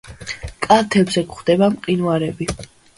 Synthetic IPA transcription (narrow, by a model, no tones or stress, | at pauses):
kʼat̪ʰɛbzɛkχd̪̥ɛbamqʼinuaɾɛbi